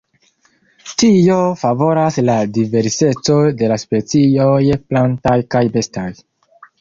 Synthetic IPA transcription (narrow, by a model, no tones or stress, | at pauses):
tio̞favo̞ɾasladive̞ɾse̞t͡so̞de̞laspe̞t͡sio̞jplantajkajbe̞staj